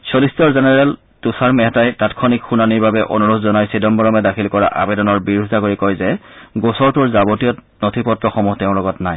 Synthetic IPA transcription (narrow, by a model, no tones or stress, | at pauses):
solistɔɹzɛnɛɹɛl | tusaɹmɛɦɛtajtatkʰɔnikxunaniɹbabɛʔo̰nuɹutʰzɔnajsedɔnbɔɹɔmɛdakʰilkɔɹa̰ʔa̰bɛdɔnɔɹbiɹudʱzakoɹikɔjzɛɡosɔɹtʊɹzabotijɔt | notʰipɔtɹɔxɔmuɦtɛʊ̃lɔɡɔtnaj